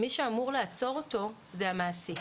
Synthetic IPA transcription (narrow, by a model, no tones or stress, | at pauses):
miʃeamuʁlaːt͡so̞ʁoto̞ | ze̞amaːse̞